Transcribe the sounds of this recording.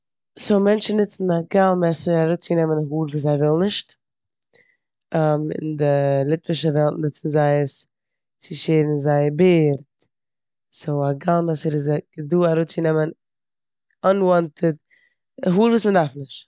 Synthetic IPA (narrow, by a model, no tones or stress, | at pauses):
somɛnt͡ʃn̩nɪt͡sn̩aɡalˠmɛsəɾaɾuːt͡sɪnɛmənɦuːɾvuːs̬aɪvɪlˠnɪʃt | amɪ̰ndɪlˠɪtvəʃəvɛlˠtnɪt͡sn̩zaɪəs | t͡sɪʃeːdn̩zaɪəbɪːɾt | soaɡalˠmɛsəɾɪzɡ̥əduːaɾuːt͡sjnɛmən | anwɔntəd | ɦuːɾvuːsməndaɾfnɪʃt